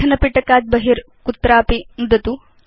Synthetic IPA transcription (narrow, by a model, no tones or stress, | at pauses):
ɐnɐpiʈɐkaːd͡ʒ̚bɐɦiɾ | kut̪ːɾaːpinud̪ɐt̪u